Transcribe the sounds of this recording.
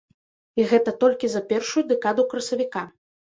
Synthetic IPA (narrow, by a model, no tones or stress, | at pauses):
iɣɛt̪ɐt̪ɔlʲkʲizɐpʲɛrʂujud̪ɛkad̪ukɾɐsɐvʲika